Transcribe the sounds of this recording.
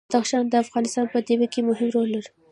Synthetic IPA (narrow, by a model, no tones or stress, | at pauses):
d̪axʃɑnd̪əafɣɑnɪst̪ɑnpəd̪ewekemʊɦɪmɾolːaɾ